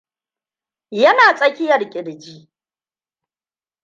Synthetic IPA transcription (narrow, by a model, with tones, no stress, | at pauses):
jɐ˦naː˨sʼɐ˦kʲɪ˦jɐ˨ɽkʲʼɪ˨ɽd͡ʒiː˦